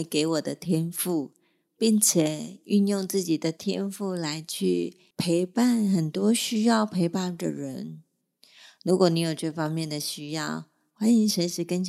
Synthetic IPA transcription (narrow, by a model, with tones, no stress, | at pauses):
ke˧˥ɪwɔ˨˩d̪ə˦t̪ʰjɛ˥nfu˥˩ | pi˥˩ŋt͡ɕʰjɛ˨˩y˥˧njʊ˥˧ŋt͡sɹ̩˥˩t͡ɕi˨˩d̪ə˦t̪ʰjɛ̰˥nfu˥˩la˧˥ɪt͡ɕʰy˥˩ | pʰe˧˥ɪpa˥˩nxə˨˩nt̪wɔ˥ɕy˥jɑ˥˩ʊpʰe˧˥ɪpa˥˩d̪ə̰˨ɻə˧˦˥n | ɻu˧˥kwɔ˨˥˦ni˧˥jo˨˩ʊʈ͡ʂɤ˥˩fɑ˥ŋmjɛ˥˩nd̪ə˩ɕy˥jɑ˥˩ʊ | xwa˥ni˧˥ŋʂə˧˥nʂɻ̩˧˥kə˥nt͡ɕ